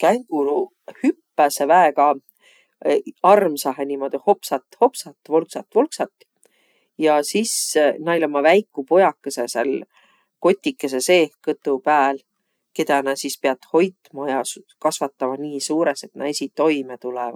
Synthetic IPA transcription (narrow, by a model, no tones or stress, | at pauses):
kæŋɡ̥ulu | hypːæsevæeɡɑ | ɑrmsɑɦenimo̞d̪̥iho̞psɑt̪ho̞psɑt̪ːˑvolksɑt̪ːvolksɑt̪ːˑ | jɑsisnɑjlɑmɑvæjkːˑupo̞jɑkːˑesesḛl | ko̞t̪ʲːikːˑesese̞ːkɤt̪ːˑupæːl | ke̞d̪ɑnɑsispeɑt̪ho̞jt̪mɑjɑs | kɑsvɑt̪ːˑɑmɑniːsuːɾese̞t̪nɑ̰jsit̪ːo̞jmet̪ulɛvɑ̰